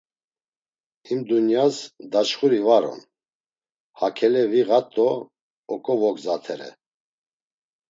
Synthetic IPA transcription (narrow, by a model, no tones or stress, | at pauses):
imd̪unjasd̪at͡ʃχuɾivaɾɔ̰n | hakʰɛlɛviɣat̪ʼːɔː | kʼɔvɔkzat̪ʰɛɾɛ̰